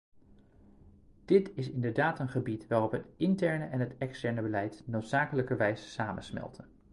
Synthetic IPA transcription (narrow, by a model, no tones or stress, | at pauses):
d̥ɪtɪsɪndəɹdaːtənχəbitʋaːrɔpɦətɪntɛɹnəʔɛnɦətɛkstɛɹnəbəlɛjtnowtsaːkələkəɹʋɛjzə̥saːmənsmɛ̰lˠtʰən